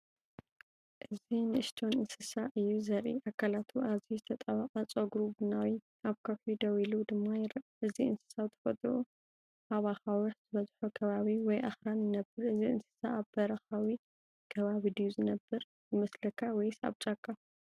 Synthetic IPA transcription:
ʔɨzinɨɨʃt̪ʰonɨnsɨsaʔɨjːuzɐɾʔḭʔakʰːalat̪ʰuʔazizɨt̪ʰɐt̪ʼɐβaqʼat͡sʼoɡɾubɨnawi | aβkʰofid̪ɐwilud̪ɨmːajɾʔɨziɨnsɨ̥sawt̪ʰɐ̥fɐt̪ʼʔu | ʔaβaxawʊħz̥ɨβɐzħukʰɐβaβiwɔjʔaxɾanjɪnɐbɨɾɨziɨnsɨ̥saʔːβbɐɾɐxawi | kʰɐβaβid̪ɨjːuzɨnɐbːɐɾ | zɨmɐslɐkʰːawɔjsa̰βt͡ʃʼakʰʼːa

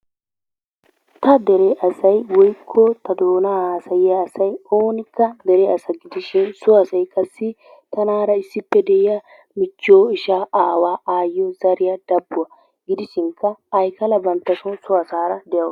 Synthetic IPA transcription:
t̪ɐd̪ɛɾɛʔɐsɐjwɔjkʰːɔt̪ɐd̪oːnahaːsɐjɪjɐːsɐjoːnɪkːɐd̪ɛɾɛɐsɐɡɪd̪ɪʃɪnsʊɐsɐjkʼɐsːɪ | t̪ɐnaːɾɐɪsːɪpːɛd̪ɛɪja | mɪt͡ʃːɪoːɪʃaːʔaːwaːaːjɔzɐɾɪjɐd̪̥ɐbːʊwɐ | ɡɪd̪ɪʃɪŋkːɐːjkɐlɐbɐnt̪ːɐsʊnsʊɐsaːɾɐd̪ɛjɐw

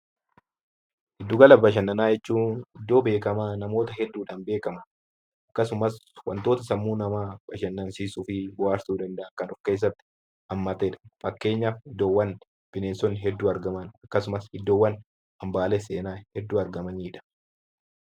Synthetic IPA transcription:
ʔɪd̪ːʊɡɐlɐbɐʃ̬ɐnːɐnaːjɛt͡ʃːuːnɪd̪ːo̞ːbe̞ːkɐmaːnɐmo̞ːt̪ɐɦɛd̪ːuːᶑɐːnbe̞ːkɐmɐ | ʔɐkːɐsʊmɐswɐ̰nt̪o̞ːt̪ɐsɐmːuːnɐmaːb̥ɐʃɐnːɐnsiːsufɪbʊwaːɾsuːd̪ɐnd̪ɐʔɐkɐnʊfke̞ːs̬ːɐt̪ːɪ̥ | ʔɐmːɐt̪ɛːᶑɐ̥fɐkːe̞ːɲːaːfɪd̪ːo̞ːwːɐn | b̥ɪneːnsɔnɦɛd̪ːuːɐɾɡɐmɐnɐkːɐsʊmɐshɪd̪ːoːwːɐn | ɐmbaːleseːnaːhɛd̪ːuːɐɾɡɐmɐniːᶑɐ̥

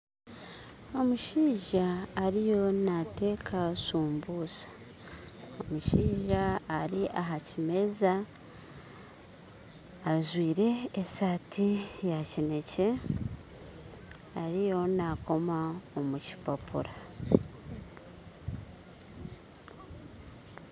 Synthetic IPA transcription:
o̞muʃiːʒaːɾijo̞nate̞ːkʰasuːmbuːsḁ | omuʃiːʒaːɾiʔaɦacime̞za | ʒwiːɾe̞ːsaːtʰijacine̞ce̞ | aɾijo̞nako̞maomuci̥papʰṵɾa

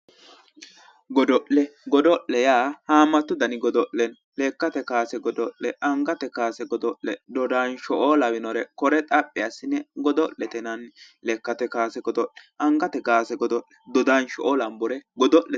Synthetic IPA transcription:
ɡɔd̪ɔʔlɛɡɔd̪ɔʔːɛjaːhaːmːɐt̪ːʊd̪ɐnɪɡɔd̪ɔʔɛn | lɛkːɐt̪ɛkaːsɛɡɔd̪ɔʔlɛʔɐŋɡɐt̪ɛkaːsɛɡɔd̪ɔʔlɛd̪ɔd̪aːnʃɔʔɔːlɐwɪnɔɾɛkɔɾɛt̪ʼɐpʼːɪɐsːɪnːɛɡɔd̪ɔʔːɛt̪ɛnɐnlɛkːɐt̪ɛkaːsɛɡɔd̪ɔʔɛɐŋɡɐt̪ɛɡaːsɛɡɔd̪ɔʔlɛ̥d̪ɔd̪anʃɔʔɔlɐmbʊɾɛɡɔd̪ɔʔːɛ

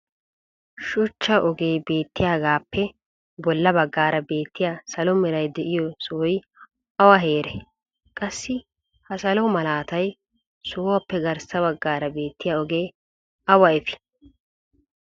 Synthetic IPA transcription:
ʃʊt͡ʃːɐʔɔɡeːbe̞ːt̪ːɪjaːɡaːpːɛ | bɔlːɐbɐɡːaːɾɐbe̞ːt̪ːɪjasɐlɔmɪɾɐjd̪ɛʔɪjɔsɔɔj | ʔɐwɐɦe̞ːɾɛ | kʼɐsːɪ | hɐsɐlɔmɐlaːt̪ɐj | soːwɐpːɛɡɐɾsɐbɐɡːaːɾɐbe̞ːt̪ːɪjaɔɡeː | ɐwɐɪfɪ̥

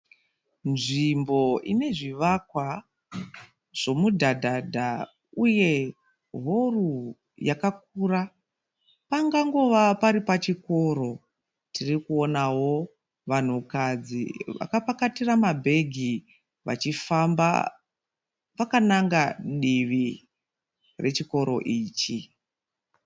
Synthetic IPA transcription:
nʐimbo̞ine̞ʐiʋakwa | ʐ̥o̞mudʱadʱadʱa | uje̞ | ɦo̞ru | jakak̚uːra | paŋɡaŋɡo̞ʋapaɾipat͡ʃiko̞ɾo̞ | tʰirikuo̞nawo̞ | ʋan̤ukad͡zḭʋa̰kapakatiramabʱe̞ɡʱi | ʋa̰t͡ʃifamba̰ | pakanaŋɡaɗiʋi | re̞t͡ʃiko̞ɾo̞̰ʔiːt͡ʃi

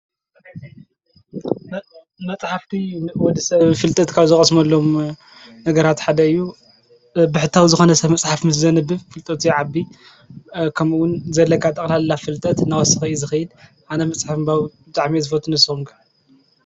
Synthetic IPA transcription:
mɐt͡sʼħaft̪ʰinwɔd̪isɐβfɨlt̪ʼɐt̪kʰaβzɨxʼɐsmɐlːo̞m | nɐɡɐɾat̪ħad̪ɐɨjːu | bɨħɨt̪ʰːawzɨxo̞nɐsɐβmɐt͡sʼħafmɨs̬zɐnɨbːɨfɨlt̪ʼɐt̪ʰiʕabi | kʰɐmuwʊnzɐlːɐkʰːat̪ʼɐkʼlalɨlːafɨlt̪ʼɐt̪nawɔsɨxɨizɨxɐjɪl | ʔanɐmɐt͡sʼħafɨmbawbɨt̪ʼaʕmizɨfɐt̪ʰːunɨsɨxumɡʰa

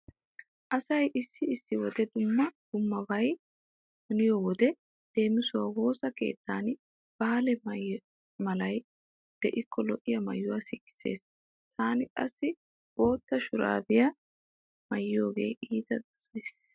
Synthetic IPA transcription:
ʔɐsɐjʔɪsːɪɪsːɪwɔd̪ɛd̪ʊmːɐd̪̥ʊmːɐbɐj | mʊnɪjɔwɔd̪ɛ | d̪̥e̞ːmɪsʊwaːwo̞ːsɐke̞̰ːt̪ʰːaːn | b̥aːlɛm | mɐlɐj | d̪̥ɛʔɪkʰːɔlɔʔɪjɐmɐ̰jːʊwaːsɪkːɪ̥se̞̰ːs | t̪ʰaːnɪkʼɐ̰sːɪ | bo̞ːt̪ːɐʃʊɾa̰ːd̪ɪjɐ | mɐjːɪjo̞ːɡe̞̰ːiːd̪ɐd̪ʊ̥sɐjs

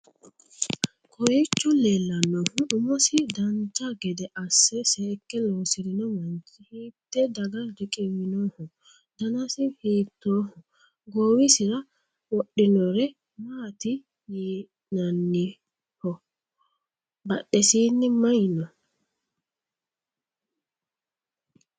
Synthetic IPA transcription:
kʰɔjit͡ʃːɔlɛlːɐnːɔhʊʔʊmɔsɪd̪ɐnt͡ʃaɡɛd̪ɛʔɐsːɛsɛkːɛlɔːsɪɾɪnɔmɐnt͡ʃɪhiːt̪ːɛd̪ɐɡɐldɛkʼɛwɪnɔːhɔ | d̪̥ɐnasɪhiːt̪ːoːhɔ | ɡoːwɪsɪɾɐ | wɔɗːɪnɔɾɛ | maːt̪ɪ | jiː | nɐnːɪ | hɔ | bɐɗːɛsiːnːɪmɐjnɔ

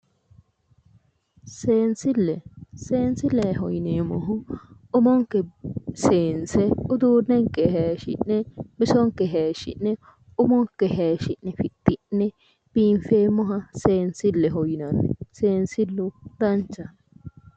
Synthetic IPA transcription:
seːnsɪlːɛseːnsɪlːeɦɔjneːmɔɦʊ | ʊmɔŋkːɛseːnsɛʊd̪uːɾnɛŋkːɛheːʃɪ̰nːɛbɪsɔŋkːɛɦeːʃɪ̰nːɛ | ʊmɔŋkːɛɦeːʃɪnːɛfɪt̪ːɪʔːɛ | b̥iɱfeːmːɔɦɐseːnsɪlːɛɦɔjnɐnɛseːnsɪlːʊd̪ɐnt͡ʃːɐ

